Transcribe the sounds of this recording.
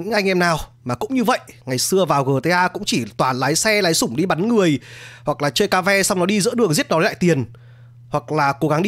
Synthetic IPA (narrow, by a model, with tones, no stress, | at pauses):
ɲɨ̰˧˥ŋʔa˧jŋ̟ʔɛ˧mnaː˨˩wmaː˨˩kʊ̰˧˥ŋ͡mɲɨ˧və̰˧˨jʔŋa˨˩jsɨ˧əvaː˨˩wɣəː˨˩t̪ə˨˧˦ʔaː˧kʊ̰˧˥ŋ͡mt͡ɕi˧˩t̪waː˨˩nlaː˨˦jsɛ˧laː˨˦jsʊ˧˩ŋ͡mɗi˧ɓa˨˦nŋɨ˨˩əjhwa˨˩k̚laː˨˩t͡ɕəː˧jkaː˧vɛ˧sa˧wŋ͡mnɔ˨˦ɗi˧zɨ̰˧˥ɗɨ˨˩əŋzi˦˥t̚nɔ˨˦˨la̰ː˧˨jt̪i˨˩ən | hwa˨˩k̚laː˨˩ko˨˦ɣa˨˦ŋɗi˧